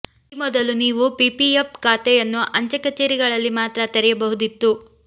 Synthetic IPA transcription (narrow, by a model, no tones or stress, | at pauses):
mɔd̪ɐluniːʋupipiepkaːt̪ɛjɐnːuʔɐɲt͡ʃɐkɐt͡ʃeːɾiɡɐɭɐlːimaːt̪ɾɐt̪eɾɛjɐbɐɦud̪it̪ːu